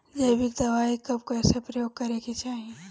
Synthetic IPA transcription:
d͡ʒɐjbɪkd̪ɐʋaːikɐb̚koɛːsepɾɐjoːɡ̚kɐɾeɡit͡ʃaːɦie

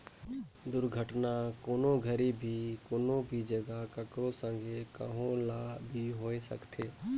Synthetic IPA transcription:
d̪ʊɾɡʱəʈnakoːnõɡʱəɾibʱikoːnõbʱid͡ʒəɡakəkɾõsə̃ŋɡʱekə̰ɦõlabʱiɦoːesə̰kt̪ʰeː

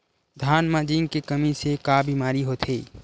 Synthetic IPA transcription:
d̪ʱaːnmad͡ʒiːŋɡkekɐmisekaːbiːmaːɾiɦoːt̪ʰɦeː

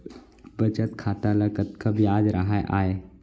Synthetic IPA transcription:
bɐt͡ʃət̪kʰaːt̪alɐɡət̪kabjaːd͡ʒɾɐɦaʔaːeː

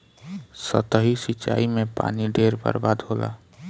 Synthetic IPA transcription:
sət̪əɦisit͡ʃa̰imepa̰niɖʱeɾbə̰ɾbad̪ɦola̰

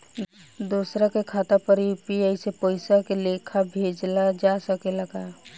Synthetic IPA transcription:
d̪uːsɾakekʰaːt̪apəɾjupiaisepoːɪsakelekʰabʱeːd͡ʒlad͡ʒasəkeləɡa

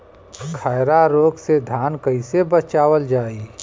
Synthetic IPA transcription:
kʰaɪɾaɾoːɡsed̪ʱaːnkəɪsebət͡ʃaːwəld͡ʒaːiː

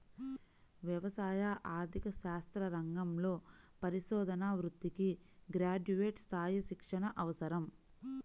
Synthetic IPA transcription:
ʋjɐʋɐsaːjaʔaːɾt̪ʰikɐʃaːst̪ɾɐɾɐŋɡɐmlo̞ː | pɐɾiʃɔːd̪ʱɐnaːʋɾud̪ːiki | ɡɾaːd͡ʒuʋeːʈst̪ʰaːjiʃikʂɐɳɐʔɐʋɐsɐɾɐm

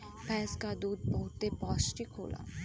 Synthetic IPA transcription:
pʰɛːskaːd̪uːd̪̚bəɦʊt̪ːepɔːsʈikɦo̰ːla̰ː

